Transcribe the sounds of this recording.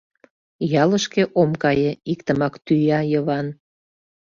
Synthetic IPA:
jɑləʃkeʔomkɑjeikt̪əmɑkt̪yjɑjəβɑn

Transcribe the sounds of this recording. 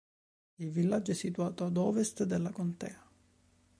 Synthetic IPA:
ilvilːad͡ʒːɛsːit̪uaːt̪oad̪ɔːvest̪d̪elːakont̪ɛːa

